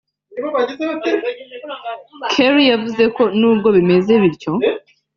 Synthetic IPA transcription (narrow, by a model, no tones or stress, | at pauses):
ioβaɟize | kʰeɾijavuze̞ko̞nuːbɡo̞βime̞ze̞βiɾco̞